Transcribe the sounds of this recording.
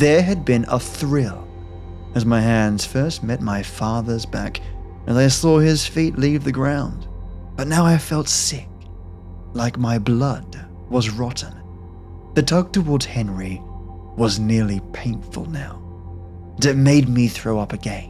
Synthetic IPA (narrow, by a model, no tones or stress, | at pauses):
ðə˞ɨd̚bɪ̃nə̰θɹɪlˠ | ɨzmaɪhæ̃ndz̥fɜ˞st̚mɛt̚maɪfɑðə˞zbæ̰k | ɨzaɪsɔɪz̥fitˡlivðɨɡɹãʊ̃nd | b̥ʌtⁿnaʊaɪfɛlˠtsɪk̚ | laɪk̚maɪblʌd̚ | wʌzɹɑʔn̩ | ðɨtʰɑk̚tʰəwɔɹdz̥hɛ̃nɹi | wʌznɪɹlˠipʰẽɪ̃nfə̰lˠnaʊ | ɨt̚meɪd̚miθɹoʊʌpɨɡɛ̃n